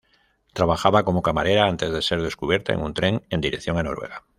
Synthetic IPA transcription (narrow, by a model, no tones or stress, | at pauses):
t̪ɾaβaxaβakomokamaɾeɾaant̪ezðeseɾðeskuβjeɾt̪aḛŋũnt̪ɾeŋend̪iɾeθjoŋano̰ɾweɣa